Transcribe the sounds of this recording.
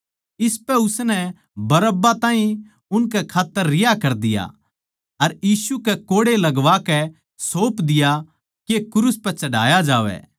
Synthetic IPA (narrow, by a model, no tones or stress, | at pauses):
ɪspɛʊsnɛ | bɐɾəbːat̪ãːɦĩ | ʊnkɛkʰaːt̪ːəɾːɪjakɐɾd̪ɪja̰ | ɐɾjiːsukɛkoːɽelɐɡʋakɛ | soːpd̪ɪja | kekʊɾʊspɛt͡ʃɐɽa̰ːjad͡ʒaːʋɛ̰